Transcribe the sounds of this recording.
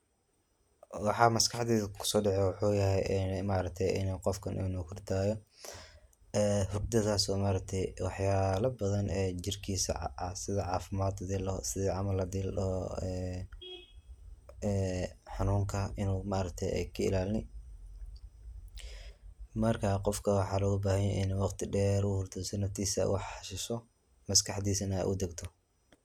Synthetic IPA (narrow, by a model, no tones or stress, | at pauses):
wɑħɑːmɐskʰɑħd̪iðkʰʊ̥sɔːɖɛʕɛwʊħuːjɐɦɛjɛnmaːɾɐk̚t̪ʰɛjʔɪ̰nɛqɔfkʰɐnʔuːnɔːkʰʊrd̪ʰaːjɔ | ɛhʊɡ̚d̪ɐðaːsɔːmaːɾɐk̚t̪ʰɛjwɑħjaːlɐbɐðɐnɛːd͡ʒɪrkʰiːsɐ̰sɪðɐʕɑːfɪmaːd̪ɐd̪iːlɔsɪðiːʕɑmɐlːɐd̪iːlɔɛː | ɛːħɑnuːŋkʰɐɪnuːmaːɾɐk̚t̪ʰɛjɛ̰jkʰɐɪ̰laːlnɪ | mɐrkʰaːqɔfkʰɐwɑħɑːlɐɣʊbaːhɐjɛjʔɪnwɑqt̪ʰɪɖɛːɾʊhʊrt̪ʰʊsɐnɐft̪ʰiːsɐ̰wɑħɑʃɪsɔ | mɐskʰɑħd̪iːsɐnɐɛ̰jʔʊd̪ɐɡt̪ʰɔ